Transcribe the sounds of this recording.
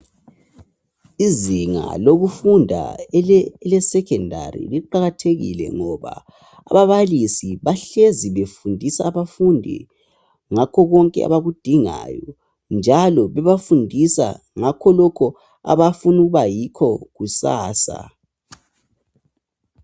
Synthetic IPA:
iziŋa̰loɣufundʱa̰ | lɛsɛkʰɛndʱa̰rḭliǃaɣatʰeɣḭlɛ̰ŋɔβa̰ː | βaβalisiβaɬeziβefundʱisaːβafundʱḭ | ŋakʰɔɣɔŋkʼɛ̰a̰βaɣud̥ʱiŋa̰jɔ | nd͡ʒʱalɔβɛβafundʱisa̰ | ŋakʰɔlɔkʰɔ | a̰βafunuɣuβajikʰɔɣusa̰ːsa̰

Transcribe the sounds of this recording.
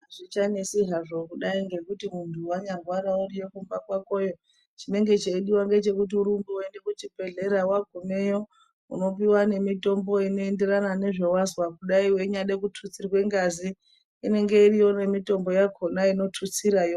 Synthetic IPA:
aʐit͡ʃanesiɦaʐokuɗaiŋɡe̞kutimuntʰuwaɲarwaɾaurije̞kumbakwako̞jo̞ | t͡ʃine̞ŋɡe̞t͡ʃeiɗiwaŋɡe̞t͡ʃe̞kut̬iuɾumbuwonekut͡ʃipe̞ɮe̞ɾawaɡʱume̞jo̞ | ṵno̞piwane̞mito̞mbo̞ino̞e̞nde̞ranane̞ʐe̞wazwakuɗaiwe̞ɲaɗekutʰut͡sirwe̞ŋɡaziː | ne̞ŋɡe̞irijo̞ne̞mito̞mbo̞jakʰo̞naino̞tʰut͡siɾajo

